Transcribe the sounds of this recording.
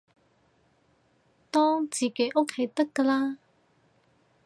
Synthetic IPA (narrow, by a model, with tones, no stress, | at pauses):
t̪ɔ̃˦˥t͡si˨˩ke˨˩ʔo˥kʰːe˧˩t̪ə˦˥kːə˧la˦